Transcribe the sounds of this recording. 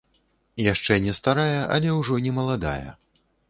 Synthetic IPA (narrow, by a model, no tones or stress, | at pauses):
jaʂt͡ʂɛnʲɛst̪aɾajɐʔɐ̰lʲɛwʐɔnʲɛmɐlˠad̪a̰jɐ̰